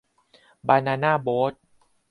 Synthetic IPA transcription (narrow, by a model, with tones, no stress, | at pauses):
baː˧naː˧naː˥˩boː˦˥t̪̚